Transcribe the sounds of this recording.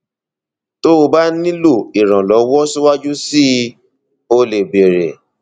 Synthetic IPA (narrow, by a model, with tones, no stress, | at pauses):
to˦o˧ba˦nĩ˦lo˦˨i˨ɾ̃ã˨lɔ˨˦wɔ˦su˦wa˦d͡ʒu˦si˦ | o˧le˨be˨ɾe˨